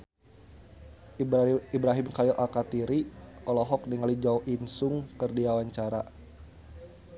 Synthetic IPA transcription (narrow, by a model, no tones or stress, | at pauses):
ibɾaɦimkalilʔalkat̪iɾiʔɔlɔɦɔk̚niŋalid͡ʒauʔinsʊŋkərdiawaɲt͡ʃaɾa